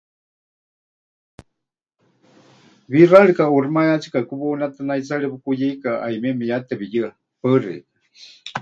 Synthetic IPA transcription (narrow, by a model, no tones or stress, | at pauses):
βiraɺikaurmajat͡sʰi̥kakuβounat̪anait͡saɺɛβukujeikaʔajmɛmijat̪ɛβijɨa | pərḭka